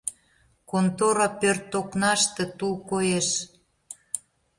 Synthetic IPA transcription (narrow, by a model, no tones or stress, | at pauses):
kont̪oɾɑpørt̪ːoknɑʃt̪et̪ulkojeʃ